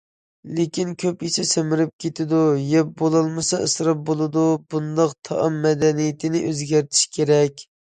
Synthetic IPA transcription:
lekʲinkʲʰøpisɪsemɪɾɪp̚kʲʰet̪ʰɪd̪ujɛp̚bolˠɑlˠmɨsɑəsɾɑp̚bolˠɨd̪ubund̪ɑqt̪ʰɑ̰ʔɑmːɛd̪ɛnijɪt̪ʰɪnɪʔøzɡʲæɾt̪ʰɪ̥ʃkʲʰeɾɛkʲ

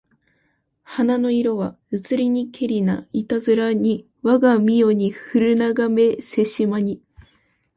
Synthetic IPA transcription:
hanano̞iɾo̞βa | ɯt͡sɨɾʲiɲ̟ikʰe̞ɾʲinait̪azɨɾaɲ̟i | βaɡamʲijo̞ɲ̟ihɯɾɯ̟naɡame̞se̞ɕimaɲ̟i

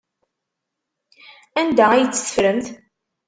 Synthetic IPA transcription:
ænd̪æjət͡sːə̥θə̥fɾəmθ

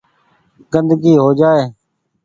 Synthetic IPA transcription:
ɡənd̪ɡiːɦoːd͡ʒaːeː

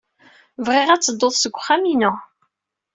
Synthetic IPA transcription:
vʁɪʁæt͡sːəd̪ˤːoðˤsəɡʷːχæminʊ

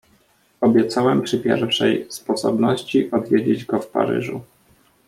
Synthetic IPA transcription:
ɔbʲjɛt̪sawɛmpʂɘpʲjɛ̰ɾfʂɛjspɔsɔbnɔɕt͡ɕiʔɔd̪vʲjed͡ʑed͡ʑɡɔfpa̰ɾɘ̰ʐu

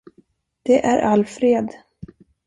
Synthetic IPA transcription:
d̪̥ɛʔæɾʔalfɾeːd̪

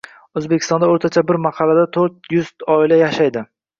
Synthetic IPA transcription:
ɵzbekʲɪ̥st̪ɒnd̪aoɾt̪ʰat͡ʃʰabɪɾmɑqʰɑlad̪at̪ʰoɾt̪̚jʊz̥t̪ɒɪlajaʃajd̪ɪ

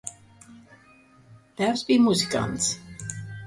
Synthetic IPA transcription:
ðɛzbimuzikã̰nts

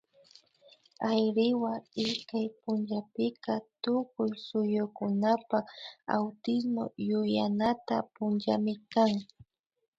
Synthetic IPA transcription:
ajɾɪwaɪskajpʊnt͡ʃapɪkat̪ʊkʊjsʊjʊkʊnapaa̰wt̪ɪs̬mo̰jʊjanat̪a̰pʊnt͡ʃamɪkaŋ

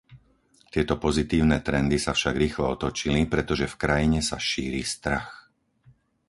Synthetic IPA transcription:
t̪ɪɛt̪ɔpɔzit̪iːʊnɛːt̪ɾɛnd̪isafʃaɡɾiːxlɔɔt̪ɔt͡ʃilipɾɛt̪ɔʒɛfkɾajiɲɛsaʃiːɾiːst̪ɾax

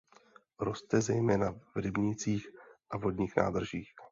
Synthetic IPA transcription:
ɾo̞st̪ɛzɛjmɛːnavɾɪbɲɪt͡siːxʔavɦo̞dɲiːxna̰ːd̪r̩ʒiːx

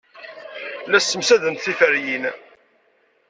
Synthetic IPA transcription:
læsːəmsæðənt̪θifəɾjin

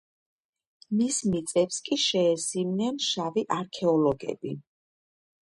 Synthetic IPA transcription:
mismit̪sʼɛpskʼiʃɛːsimnɛnʃaviʔaɾkʰɛɔlɔɡɛ̰bi

